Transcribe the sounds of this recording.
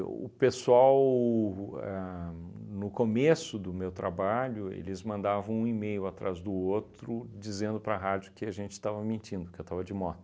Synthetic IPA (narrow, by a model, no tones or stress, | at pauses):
ʊ̰pesuaw | ɛ | nʊkomesʊd̪ʊmewt̪ɾabaʎʊḛlɪzmɐ̃nd̪avɐ̃w̃ũimejʊat̪ɾazd̪ʊot̪ɾʊd͡ʒizẽnd̪ʊpɾɐɦad͡ʒʊkɪaʒẽnt͡ʃɪ̥t̪avɐmĩnt͡ʃĩnd̪ʊkewt̪avɐd͡ʒɪmɔd̪ɐ